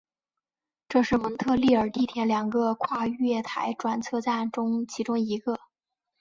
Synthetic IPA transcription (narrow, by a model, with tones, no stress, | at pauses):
ʈ͡ʂɤ˥˧ʂɻ̩˥˩mə˧˥ŋt̪ʰɤ˥˧li˥˩ə˞˨˩t̪i˥˩t̪ʰjɛ˧˥nljɑ˨˩ŋɡə˧kʰwa˥˧y˥jɛ˥˩t̪ʰa˧˥ɪʈ͡ʂwa˨˩nt͡sʰɤ˥˧t͡sa˥˩nʈ͡ʂʊ˥ŋt͡ɕʰi˧˥ʈ͡ʂʊ˥ŋi˧˥ɡə˧